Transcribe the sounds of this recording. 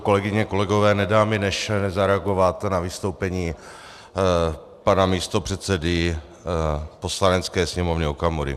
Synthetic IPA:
ko̞lɛɡɪɲɛko̞lɛɡo̞vɛːnɛdaːmɪnɛʃnɛzaɾɛaɡo̞vat̪navɪst̪owpɛɲiː | panamiːst̪o̞pr̥ɛt̪sɛdɪ | po̞slanɛt͡skɛːsɲɛmovɲɛokamuɾɪ̰

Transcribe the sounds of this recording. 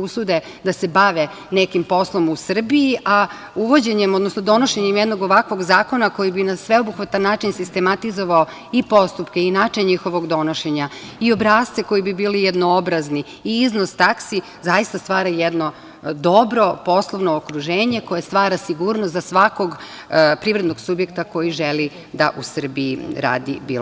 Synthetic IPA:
usud̪e | d̪ase̞baʋe | nekimpo̞slˠo̞musr̩biiʔa | uʋo̞d͡ʑe̞ɲemo̞d̪no̞snod̪o̞no̞ʃe̞ɲemjed̪no̞ɡo̞ʋakʋo̞ɡzaːko̞nako̞jibinasʋe̞obuxʋat̪anːaːt͡ʃinsist̪e̞mat̪izo̞ʋao | ipo̞st̪upke̞inaːt͡ʃeɲɲixo̞ʋo̞ɡd̪o̞no̞ʃe̞ɲa | io̞bɾaːst̪eko̞jibibiːlijed̪noobɾazni | iiznost̪aksi | zajist̪ast̪ʋaːɾajed̪no̞ | d̪o̞bɾo̞po̞slˠoʋnoːkɾuʒeːɲe̞ko̞jest̪ʋaːɾasiɡuːɾnost̪zasʋako̞ɡ | pɾiːʋɾed̪no̞ɡsubje̞kt̪ako̞jiʒeli | d̪aʔusər̩biiɾa̰ːd̪ḭbḭl

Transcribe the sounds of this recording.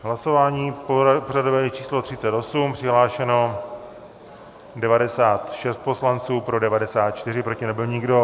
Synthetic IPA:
ɦlaso̞vaːɲiːpporadovɛːt͡ʃiːslo̞t̪r̝̥ɪt͡sɛt̪o̞sumpr̥ɪɦlaːʃɛno̞ | dɛvadɛsaːt̪ʃɛst̪̚po̞slant͡suːpɾo̞dɛvadɛsaːt̪̚t͡ʃt̪ɪrɪpɾo̞cɪnɛbɪlɲɪɡdo̞

